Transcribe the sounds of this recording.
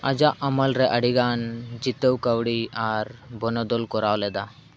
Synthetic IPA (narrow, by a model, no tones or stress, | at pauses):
ɐd͡ʒaʔɐməlɾɛʔɐɽiɡaːnd͡ʒit̪əwkəwɽiaɾbʱɔnɔd̪ɔlkɔɾaːwlɛd̪a